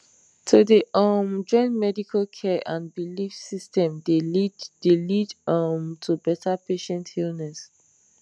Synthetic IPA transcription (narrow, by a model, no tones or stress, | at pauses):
tʰodeʔɔmd͡ʒɔ̃ɪ̃nmɛdikʰalkʰɛʔãnbilifsistɛ̃mdeddelidʌmtʰubɛtʰapeʃɛ̃nthilnɛs